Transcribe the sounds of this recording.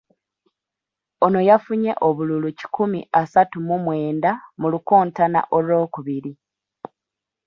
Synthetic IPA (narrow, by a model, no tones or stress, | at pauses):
o̞no̞jafuɲe̞̰ʔo̞βululuci̥kʰumḭʔasatumumwe̞ːndamulukoːntana̰ʔo̞lo̞ːkuβiɾi